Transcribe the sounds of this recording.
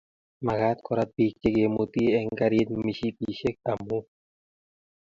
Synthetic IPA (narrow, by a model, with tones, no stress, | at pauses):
ma˨ɣa˦t̪kɔ˨ɾat̪̚bi˨k̚t͡ʃe˦ɡe˨mu˨t̪i˦ɛ˨ŋka˧ɾi˦t̪̚mi˨ʃi˦p̪i˨ʃe˦k̚a˨mu˦